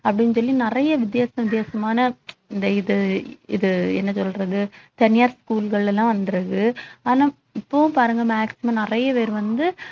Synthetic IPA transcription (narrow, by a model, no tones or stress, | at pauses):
ɐpːɐɽɪnːsɔlːinɪrɐjɐʋɪd̪ɪjaːsɐʋɪd̪jaːsɐmaːnɐɪnd̪ɐɪðɯɪ̰ðɯɛ̰nːɐsɔlrɐðɯt̪ɐnɪjaːɾskuːlɣɐɭɛlːãːʋɐnd̪ɯɾɐɣɯaːnãː | ɪpːõːpaːɾɯŋɡɐmaːksɪmaːnɪrɐjɐʋeːɾʋɐnd̪ɯ